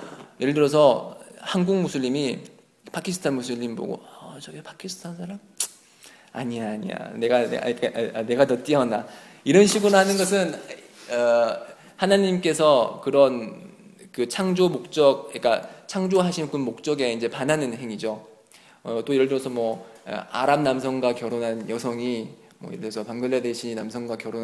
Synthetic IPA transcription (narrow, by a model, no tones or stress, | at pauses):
jeɭdɯɾʌs̬ʰʌhanɡuŋmusʰɯʎːimi | pakʰisʰɯ̥tʰanmusʰɯʎːimbo̰ɡo̰ʌʌt͡ɕʌɡepakʰisʰɯ̥tʰansʰaɾam | a̰ɲiaaːɲḭa̰ne̞ɡanea̰ikaane̞ɡatʌt͈iʌna | iɾʌnɕʰiɡonahanɯnɡʌs̬ʰɯn | ʌ | hanaɲimk͈e̞sʰʌkɯɾʌn | kɯt͡ɕʰaŋd͡ʑomok̚t͡ɕ͈ʌɡ̚ik͈at͡ɕʰaŋd͡ʑoɦaɕʰikɯnmok̚t͡ɕ͈ʌɡe̞ind͡ʑe̞panɦanɯnɦe̞ŋid͡ʑo | ʌt͈oiɾʌɭdʌsʰʌmwʌ̰a̰ɾamnams̬ʰʌŋɡwakjʌɾonɦanjʌsʰʌŋi | mwʌ̰jitʰʌsʰʌpaŋɡʌɭːʌdeɕʰinamsʰʌŋɡwakjʌɾon